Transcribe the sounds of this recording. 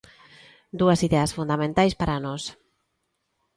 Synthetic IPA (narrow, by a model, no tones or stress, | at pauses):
d̪uɐsiðɛasfund̪amẽnt̪ajspaɾanɔs